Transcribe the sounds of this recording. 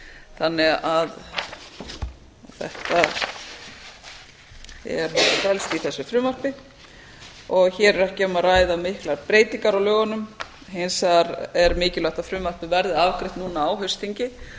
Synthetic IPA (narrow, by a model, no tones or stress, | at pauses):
θanːɛɣað | θɛ̰ht̪a | ɛ̰ɾvɛlst̪iθɛsːʏfɾʏmar̥pɪ | ɔɣçɛːɾɛɾacɛːmaraːjðamɪhklaɾpɾeːjt̪iŋkaɾawlœːɣanʏm | ɦensaɾɛɾmɪːcɪlaht̪aðfɾʏmvar̥pɪvɛɾðɪavkɾɪht̪nuːnaaːwɦœɥst̪iɲcɪ